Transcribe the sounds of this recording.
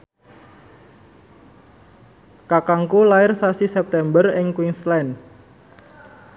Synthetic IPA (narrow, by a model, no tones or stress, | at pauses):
kakaŋkulaɪrsasisɛp̚t̪ɛmbərɪŋkwɪŋslɛn